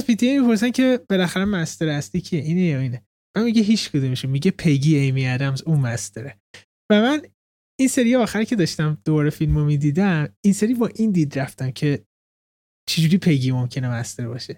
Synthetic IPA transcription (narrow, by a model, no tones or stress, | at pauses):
zpʰit̪ʰiemipʰo̞ɾs̬æncʰe̞b̥e̞læxæɾemæst̪eɾæst̪iːcʰieʔiːnejɒiːne | mænmiɟeɦiːt͡ʃkʰud̪umiʃumiɟepʰe̞ɡiːejmiæd̪æmzunmæst̪ʰeɾe | væmæn | inseɾijeɒːxæɾcʰe̞d̪ɒːʃt̪æmd̪̥o̞bɒːɾefilmomid̪iːd̪æminseɾiːbɒːʔind̪iːd̪ɾæft̪æmcʰe̞ | t͡ʃʰed͡ʒuːɾipʰe̞ɡiːmo̞mcʰe̞nemæst̪eɾbɒːʃe